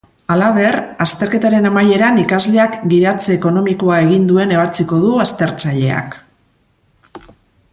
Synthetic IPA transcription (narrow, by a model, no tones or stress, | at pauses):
alaβe̞rast̪e̞ɾke̞t̪aɾe̞namaje̞ɾanikazle̞akɡiðat͡seːko̞no̞miko̞ae̞ɣind̪ue̞ne̞βat͡siko̞ðuast̪e̞ɾt͡saʎe̞̰a̰k